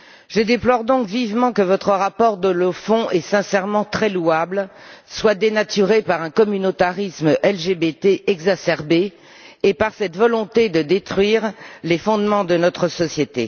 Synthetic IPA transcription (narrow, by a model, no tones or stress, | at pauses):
ʒəd̪eplɔʁd̪ɔ̃kvivmɑ̃kəvɔt̪χəʁapɔʁd̪ɔ̃ləfɔ̃ʔɛsɛ̃sɛʁmɑ̃t̪χɛluablswad̪enat̪yʁepaʁɛ̃kɔmynot̪aʁisməʔɛlʒebet̪eʔɛɡzasɛʁbeː | paʁsɛt̪vɔlɔ̃t̪ed̪əd̪et̪χɥiʁlefɔ̃d̪mɑ̃d̪ənɔt̪χəsɔsjet̪e